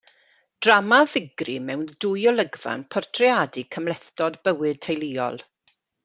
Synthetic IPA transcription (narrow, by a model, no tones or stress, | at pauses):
d̥ramavɪɡrimɛwndʊjɔlˠəɡv̥a̰npʰɔrtʰriaːdikʰəmlˠɛθtɔdbəwɨd̚tʰejliːɔ̰lˠ